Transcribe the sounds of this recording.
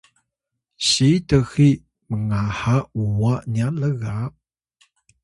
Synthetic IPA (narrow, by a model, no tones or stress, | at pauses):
ɕitəxi | məŋahauwanialəɣa